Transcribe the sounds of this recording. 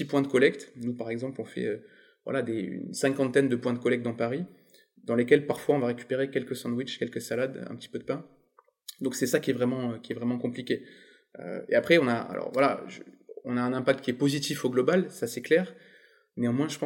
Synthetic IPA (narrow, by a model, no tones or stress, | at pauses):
t̪ipwɛ̃d̪əkɔlɛk̚t̪nupaʁɛɡzɑ̃plɔ̃fɛ̰ø | vwa̰lad̪ey̰nsɛ̃kɑ̃t̪ɛnd̪əpwɛ̃d̪əkɔlɛk̚t̪̚d̪ɑ̃paʁi | d̪ɑ̃lekʲɛlpaʁfwaɔ̃vaʁekʲy̥peʁekʲɛlkəsɑ̃d̪wit͡ʃkʲɛlkəsalad̪ɛ̰̃pət̪i̥pød̪əpɛ̃ | d̪ɔ̃ksɛsakʲiɛvʁɛmɑ̃økʲiɛvʁɛmɑ̃kɔ̃plikʲe | ø̰ḛapχɛɔ̃naa̰lʔɔ̰ʁvwalaʒɔ̃naɛ̃nɛ̃pak̚t̪̚kʲiɛpozit̪ifoɡlɔbalsasɛklɛːʁ | neɑ̃mwɛ̃ʒəpɑ̃